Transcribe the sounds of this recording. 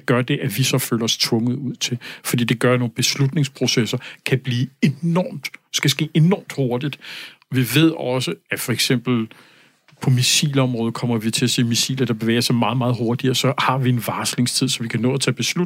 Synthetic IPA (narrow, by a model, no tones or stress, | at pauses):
ɡ̥ɶɐd̥e̝ʔæʋisɒ̽fø̰ːlɐɒ̽st͡sʰʋɔ̽ŋəð̩ˠuð̰ˠt͡sʰe̝fɒd̥ḭːd̥e̝ɡ̥ɶɐno̝ːn̩b̥e̝slud̥ne̝ŋspʰʁo̝sesɐkʰæb̥liːeɒːmd̥sɡ̥æsɡ̥e̝̰ːʔe̝nɒ̰ːmd̥ho̝ɐd̥id̥ɒ̽ʋiʋe̝ð̞̰ˠɒ̽səæfɒ̽eɡ̥sem̰b̥l̩ | pʰɒ̽misḭːlɒ̽mʁɔ̽ːð̞̩ˠkʰɒ̽m̰ɐʋit͡sʰe̝æse̝̰ːmisḭːlɐd̥ɑ̈b̥e̝ʋḛːɐsɑ̈ɪmɑ̈ːð̞̩ˠmɑ̈ːð̩ˠɦoɐd̥iɐsɒ̽hɑ̈ʋie̝nʋɑ̈ːsle̝ŋst͡sʰið̞̰ˠsɒ̽ʋikʰænɔ̰ːɐt͡sʰɛːb̥e̝slu